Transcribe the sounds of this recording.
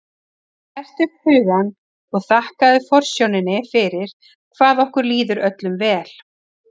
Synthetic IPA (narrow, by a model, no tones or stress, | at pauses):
θɛr̥t̪ʏpʏːɣan | ɔɣθahkaðʏfɔr̥sjownɪnɪfɪɾɪɾ̥ | kʰvaːðɔhkʏɾliːðʏɾœt̪lʏmvɛːl̥